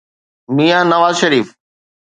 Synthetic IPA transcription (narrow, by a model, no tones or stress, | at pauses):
mijanɐʋaːzʃɐɾiːf